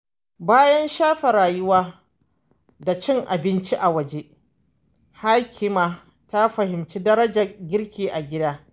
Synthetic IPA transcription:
baː˦jɐ˦nʃaː˦ɸe˨ɾaː˨jʊ˦waː˦ | da˨t͡ʃɪ˦ŋʔa̰˨bɪ˦nt͡ʃi˦ʔa˨wɐ˨d͡ʒe˦ | ha˦kʲʰɪ˦maː˨ | ta˦ɸɐ˨hɪ˨mt͡ʃi˦dɐ˦ɾɐ˦d͡ʒa˨ɡʲɪ˦ɾkʲiː˨ʔa˨ɡʲɪ˦daː˦

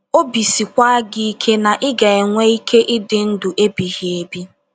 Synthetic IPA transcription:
o˦bi˨si˨kʷa˦a˦ɡɪ˦i˦kʰe˦na˨ʔɪ˦ɡa˨e˨ŋʷe˦i˦kʰe˦ʔɪ˦dɪ˦n̩˦dʊ˨ʔe˦bi˨ɦi˨e˨bi˦

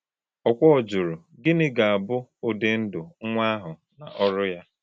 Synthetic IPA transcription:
ɔ˨kʷɔ˦ɔ˨d͡ʒʊ˨ɾu˨ | ɡɪ˦nɪ˦ɡa˨a˨bʊ˦o˦de˦n̩˦dʊ˨ŋ̩˦ŋʷa˦ɦʊ˨ | na̰˨ʔɔ˦ɾʊ˦ja˦

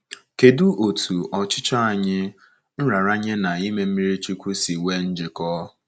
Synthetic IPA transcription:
ke˨du˦ʔo˨tʰu˨ɔ˨t͡ʃɪ˦t͡ʃɔ˦a˨ɲɪ˦ | n̩˦ɾa˨ɾa˦ɲɪ˦na˨i˦me˦m̩˦mi˦ɾi˦t͡ʃi˦kʷu˦si˨we˦n̩˦d͡ʒɪ˨kɔ˦

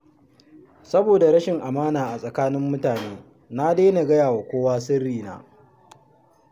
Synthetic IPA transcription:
sɐ˦boː˨da˨ɾɐ˦ʃɪ˨ŋʔa˨maː˦naː˨ʔa˨sʼɐ˨kaː˦nɪ˦mːʊ˦taː˨neː˦ | na˦deː˦na˨ɡɐ˦jaː˨wa˨kʷoː˦waː˦s̬ɪ˦rːiː˨na̰ː˦

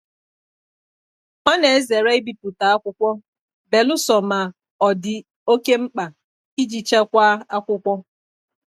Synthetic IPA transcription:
ha˦ne˨e˦ze˨ɾa˦i˦bi˨pu˨ta˨a˦kʷʊ˦kʷɔ˦ | be˨lʊ˦sɔ˨ma˨ | ɔ˨dɪ˨ | o˦ke˦ŋ͡m̩˦k͡pa˨ | i˦d͡ʒi˨t͡ʃa˦kʷa˦a˦kʷʊ˦kʷɔ˦

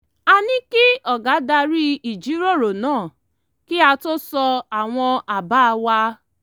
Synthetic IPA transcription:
a˧nĩ˦ki˦ɔ˨ɡa˨˦da˧ɾi˦i˨d͡ʒi˨˦ɾo˦˨ɾo˨nãː˦˨ | ki˦a˧to˦sɔ˧a˨w̃ɔ̃˧a˨ba˦˧wa˧

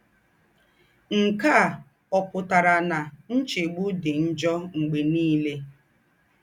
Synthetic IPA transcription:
ŋ̩˨ka˦˨ | ɔ˨pʊ˨ta˨ɾa˨na˨n̩˦t͡ʃe˨ɡ͡bu˦dɪ˨n̩˦d͡ʒɔ˦ŋ͡m̩˨ɡ͡be˨niː˦le˦

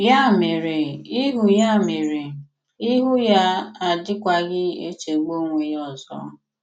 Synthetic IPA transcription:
ja˦˨me˨ɾe˨i˦ɦu˨ja˦˨me˨ɾe˨ | i˦ɦʊ˦ja˦a˨dɪ˦kʷa˦ɡɪ˦ḛ˦t͡ʃe˨ɡ͡bo˦ŋʷe˨jɔ˨zɔ̰˦

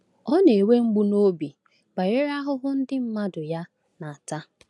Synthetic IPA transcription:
ɔ˦ne˨we˦ŋ͡m̩˦ɡ͡bu˦no˦bi˨ | ba˨je˦ɾa˦ɦʊ˦ɦʊ˦n̩˦dɪ˦m̩˦ma˦dʊ˨ja˦ | na˨a˨ta˦

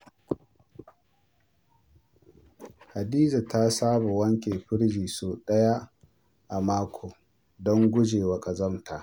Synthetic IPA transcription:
ha˨diː˦za˨ta˦saː˦ba˨wɐ˦ŋkʲe˨ɸɪ˦ɽd͡ʒiː˨soː˨ɗɐ˦ja˦ | ʔa˨maː˦kʷʰoː˨ | dɔ˦ŋɡʷʊ˦d͡ʒeː˨wɐ˨kʼa˨zɐ˦mtʰa˨ʔ

